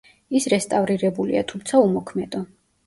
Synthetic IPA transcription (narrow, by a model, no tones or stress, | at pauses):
isɾɛst̪ʼavɾiɾɛbulḭa̰t̪ʰumt̪sʰaumɔkʰmɛd̪ɔ